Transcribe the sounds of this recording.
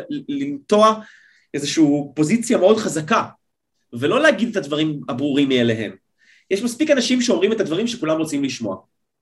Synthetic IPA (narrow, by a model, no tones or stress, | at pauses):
limto̞a | ʔezeʃuːpo̞zit͡sjameo̞dχazaka | velo̞leaɡid̪et̪advaʁimabʁuʁimːieleɦe̞̰m | jeʃmaspikanaʃimʃeo̞mʁime̞t̪ad̪vaʁimʃekulamʁo̞t͡simliʃmo̞a̰